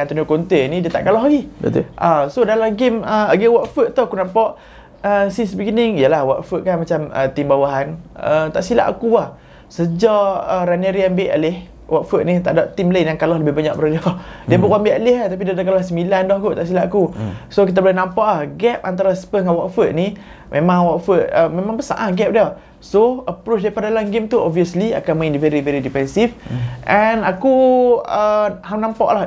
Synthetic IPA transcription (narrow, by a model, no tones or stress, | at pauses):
ant̪unokont̪enidiət̪a̰ʔkalɔɦlaɡit̪ʔasodalaɡeməaɡəwɔʔfəʔt̪ɔakunampaʔ | əsinsbəɡinɪŋijəlahwɔʔfət̪ʔ̚kanmat͡ʃamə̰t̪imbawaɦanət̪a̰ʔsila̰ʔa̰kuah | səd͡ʒaəɾanəɾianbeʔa̰lɪh | wɔʔfəʔ̪̚nit̪aʔdaʔt̪imləjaŋkalɔhləbɪhbaɲaʔbəɾaliɔdiəbəʔwambeʔalɪhat̪ap̬idadak̬alɔhsəmilandɔhɡut̪aʔs̬ilaʔakusokit̪abəlɛnãmpaʔlahɡɛp̚ant̪̬aɾaspəŋawaʔfət̪̚ni | mʔẽmãŋwɔʔfət̪̚əmemãŋbəsa̰ʔaɡɛp̚dia | soəpɾot͡ʃdajpadalamɡemt̪uɔbviəslia̰kanmaĩndivɛɾivɛɾidipɛnsifʔɛnakuəɦawnãmpa̰ʔlah